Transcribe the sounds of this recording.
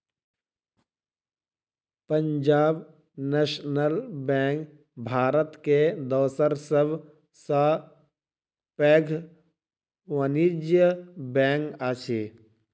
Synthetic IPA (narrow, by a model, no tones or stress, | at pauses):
pə̃ɲd͡ʒaːb | neːʃnəlbɛ̃ːŋk | bʱaːɾət̪ked̪ɔːsəɾsəb | sa | pɛːɡʱ | ʋənid͡ʒjəbɛ̃ːŋkat͡ʃʰeː